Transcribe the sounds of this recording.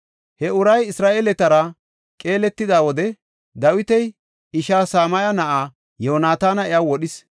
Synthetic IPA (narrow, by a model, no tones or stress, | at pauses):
hɛʊɾɐjɪsɾaːʔeːlɛt̪ɐɾɐ | kʼe̞ːlɛt̪ːɪd̪aːwɔd̪ɛ | d̪ɐwɪt̪ɛj | ɪʃaːsaːmɐjɐnɐʔaː | joːnaːt̪aːnɐɛjawɔɗɪs